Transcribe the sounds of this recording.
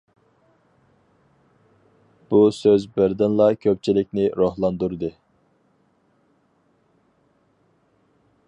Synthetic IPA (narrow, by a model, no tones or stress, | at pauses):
b̥usøzbɪɾd̪ɪnlˠɑkʲʰøp̚ʲt͡ʃʰilɪk̚ʲnɪɾohlˠɑnd̪uɾd̪ɨ